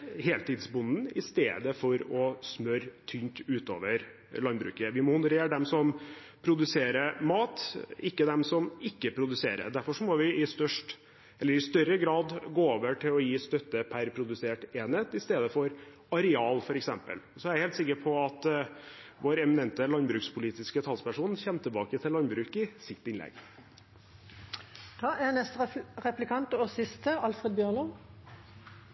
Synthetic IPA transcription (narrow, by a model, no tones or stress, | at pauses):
heːlt̪ɪd̪sbʊnn̩ɪst̪ḛːd̪əfɔɾɔsmœɾt̪ʰynt̪ʉːt̪o̰ːʋəɾ | lɑnbɾʉ̰ːkəʋɪmɔhʊnəɾeːɾəɖ̪ɛmsɔm | pʰɾʊd̪ʉseːɾəɾmɑːt̪ɪkːəd̪ɛmsɔmɪkːəpʰɾʊd̪ʉsḛːɾə̰d̪æɾfɔʂɔmɔʋɪʔɪst̪œʂʈ | ɛlːəɾɪst̪œɾəɡɾɑːd̪ɡoːoːʋəʈʰɪlɔjiːst̪œt̪ːəpʰæɾpʰɾʊd̪ʉseːʈeːnheːt̪ɪst̪eːd̪əfɔɾ | ɑɾɛɑːlfɔɾɛksɛmpə̰lsɔæɾæheːlt̪sɪkːəpʰɔɑt̪ | ʋoːɾɛmɪnɛnt̪əlɑnbɾʉːkspʰʊliːt̪ɪskət̪ʰɑlspʰæʂuːnçɛnt̪ʰɪlbɑːkət̪ʰɪlːɑnbɾʉːkɪsɪt̪ːɪnlɛ̰ɡ | d̪̥ʰɑːɛnɛst̪ʁɛplɪkʰɑnt̪oːsɪst̪əɑlfʁed̪bjøːʁnɔ